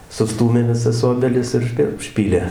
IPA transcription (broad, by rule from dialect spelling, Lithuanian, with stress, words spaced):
sʊˈstuːmʲeː ʋʲɪˈsɐs ˈoːbʲɛlʲɪs ɪr ʊʃʲˈpʲɪ ʊʃʲˈpʲiːlʲeː